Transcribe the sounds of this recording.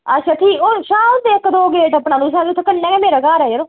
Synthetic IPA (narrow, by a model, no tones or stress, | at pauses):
ət͡ʃʰət̪ʰiːoʃaːt̪eɪkːd̪oːɡeːʈəpɳaːnũːs̬aːt̪ʰəkəɳːɛ̃ːɡɛːmeːɾaːkaːɾɛːd͡ʒəɾoː